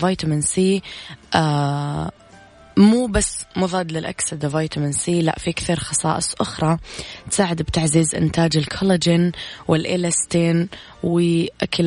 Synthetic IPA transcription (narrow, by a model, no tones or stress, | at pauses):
vaːjt̪amɪnsiːʔa | muːbasːmʊðˤɑːd̪lɪlʔa̰ksad̪ɪvaːjt̪amɪnsiːla̰ʔfiʔkθiɾˤxɑsˤɑ̰ːʔɨsˤʔʊxɾˤɑt̪saːʕɪd̪bt̪aʕziːzʔɪ̰nt̪aːd͡ʒɪlkʰɑlɪd͡ʒɪnwɪlʔɪlast̪iːn | wɪʔakʰɪl